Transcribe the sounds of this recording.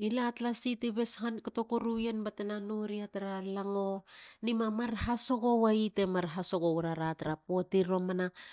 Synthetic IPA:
ilatlasiteβe̞shankato̞koɾujenbatenanuɾiataɾalaŋonimamaɾhaso̞ɡo̞waite̞maɾɦaso̞ɡowɾaɾataɾapotiɾo̞mana

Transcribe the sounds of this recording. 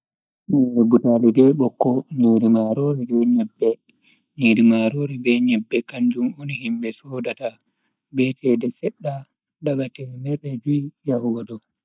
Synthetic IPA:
nɛɾɛbutaːlidɛɓɔkːɔɲiɾimaɾoɾibɛɲɛbːɛ | ɲiɾimaɾoːɾibɛɲɛbːɛkaɲd͡ʒumonihimbɛsɔːdata | bɛtʰɛdɛsɛɗːa | daɓatɛmɛɾɛd͡ʒujjahuɡadɔ

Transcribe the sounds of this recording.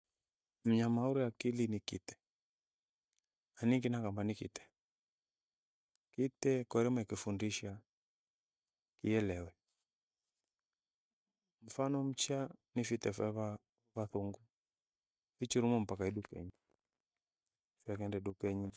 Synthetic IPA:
m̩ɲamauɾiakilinikitɛ̥ | aniŋɡinakambanikḭtɛ̥ | kitɛkɔɾɛmɔakifundiʃa | kiɛlɛwɛ | m̩fanɔm̩t͡ʃanifitɛfɛβa | βaθuŋɡu | it͡ʃiɾumɔm̩pakaiɗukɛ̰ɲi | t͡ʃɛkɛndɛɗukɛɲi

